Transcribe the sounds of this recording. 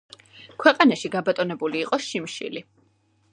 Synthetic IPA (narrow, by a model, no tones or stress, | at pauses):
kʰwɛqʼanaʃiɡabat̪ʼɔnɛbuliːqʼɔʃimʃḭli